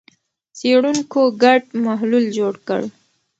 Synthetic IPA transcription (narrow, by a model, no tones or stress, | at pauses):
seɽuŋkoɡaɖ̚maɦluld͡ʒoɽkə̰ɽ